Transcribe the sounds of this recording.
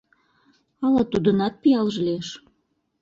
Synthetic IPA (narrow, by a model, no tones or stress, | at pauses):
ɑlɑt̪ud̪ənɑt̪̚pijɑlʒleʃ